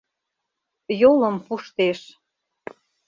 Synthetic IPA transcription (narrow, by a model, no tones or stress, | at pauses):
jolə̆mpuʃt̪eʃ